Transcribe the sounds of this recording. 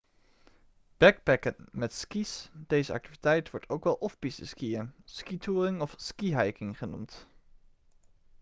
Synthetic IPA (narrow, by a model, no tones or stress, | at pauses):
b̥ɛɡ̚bɛkənmɛtskisd̥ejzəɑ̰k̚tivitɛjtʋɔɹtʰowkʋɛlˠʔɔfbisəskiəskitʰuːrɪŋɔfskiɦɑjkɪŋχənṵmt